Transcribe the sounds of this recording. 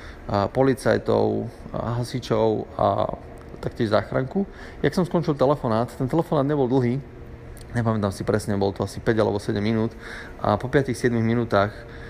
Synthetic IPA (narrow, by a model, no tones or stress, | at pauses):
pɔlit͡sa̰jt̪ɔ̰ʊɦasit͡ʃɔʊa̰ | t̪akcɪɛʒza̰ːxɾa̰ŋku | jaksɔmskɔnt͡ʃilˠt̪ɛlɛfɔnaːt̪t̪ːɛnt̪ɛlɛfɔnaːd̪ɲɛbɔld̪l̩ˠɦiː | ɲɛpamɛt̪aːmsipɾɛsɲɛbɔlt̪ɔasipɛɟalɛ̰bɔsɛɟɛmːinuːt̪ | ʔa̰pɔpɪat̪ixsɪɛd̪miɣminuːt̪aːx